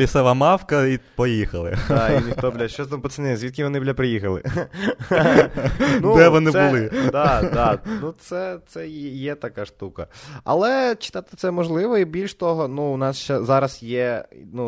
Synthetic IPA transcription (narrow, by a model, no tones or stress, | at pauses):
isɛʋɐmɑwkɐipɔjixɐlˠɪ̰ɑinʲixt̪ɔblʲɐʃt͡ʃɔst̪ampɔt̪sɪnɪjzʲʋʲid̪̚kʲiʋɔnɪblʲɐpɾɪjixɐlˠɪ̰ | nud̪ɛʋɔnɪb̪ʊlˠɪd̪ɑɑnut̪sɛt̪sɛjjɛt̪ɐkɑʃt̪ukɐɐ̰lˠɛt͡ʃɪ̥t̪ɑt̪ɪ̥t̪sɛmɔʒlˠɪʋɔibʲilʲʃt̪ɔɦɔnuʊnɑsʃt͡ʃɛzɑɾɐsjɛnu